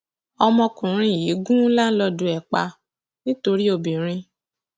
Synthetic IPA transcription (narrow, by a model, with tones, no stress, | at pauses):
ɔ˧mɔ̃˧kũ˨ɾ̃ĩ˧i˨ji˨˦ɡũ˦la˦n̩˦lɔ˧dũ˧˦ɛ˨k͡pa˧ | nĩ˦to˧ɾi˦o˧bĩ˨ɾ̃ĩ˧